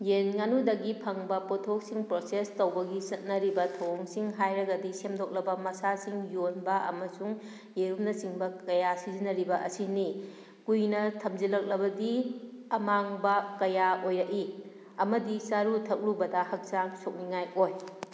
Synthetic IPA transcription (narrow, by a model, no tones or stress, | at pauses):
jenŋanudɐɡipʰɐŋbɐpotʰok̚siŋpɾosestowbɐɡisɐt̚nɐɾibɐtʰoŋsiŋɦajɾɐɡɐdisemdok̚lɐbɐmɐsasiŋjonbɐʔɐ̰mɐsuŋ | jeɾumnɐsiŋbɐkɐjasizinɐɾibɐʔɐsini | kujnɐtʰɐmzilɐk̚lɐbɐdiɐmaŋbɐkɐjaojɐʔi | ɐmɐdisaɾutʰɐk̚ɾubɐdɐhɐk̚zaŋsok̚niŋajoj